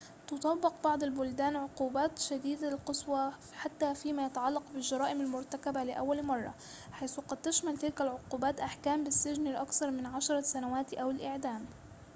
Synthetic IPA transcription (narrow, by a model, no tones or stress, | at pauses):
t̪ʊt̪ˤɑbːɪqbɑʕd̪ˤalbʊld̪aːnʕʊquːbaːt̪ʃad̪iːd̪aɪlqɨsˤwɑ | ħat̪ːafiːmajat̪aʕɑlːɑqbɪlʒɑɾˤɑːʔɪmalmʊɾˤt̪akabalɪʔawːalmɑrˤːɑ̰ | ħajːθqɑd̪̚t̪ɪʃmalt̪ɪlkalʕʊquːbaːt̪ʔaħkaːmbɪsːɪʒnɪlʔakθɑɾˤmɪnʕaʃɑɾˤɑsanawaːt̪ʔawɪlʔɪʕd̪aːm